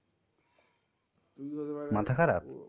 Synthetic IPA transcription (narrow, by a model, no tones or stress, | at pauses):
mat̪ʰakʰaɾa̰p